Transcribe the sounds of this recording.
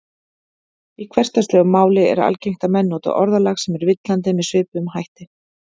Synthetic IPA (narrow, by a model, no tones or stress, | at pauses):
ikʰvɛr̥t̪ast̪lœːɣmaːwlɪɛ̰ɾa̰lcejŋ̥t̪amɛnːoːt̪a̰ʔɔɾðalaxsɛmɛɾvɪt̪lant̪̬ɪmɛðsʏːpmhajht̪ɪ